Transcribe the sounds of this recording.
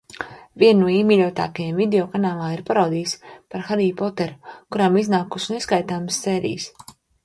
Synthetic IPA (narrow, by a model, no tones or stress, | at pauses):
viɛnuɔiːmiʎʲɔːt̪a̰ːkajamvid̪eɔkanaːlˠaːiɾpaɾawd̪iːspaɾxaɾiːpɔt̪ɛɾukuɾamiznaːkusneskajt̪aːmsːɛːɾḭjs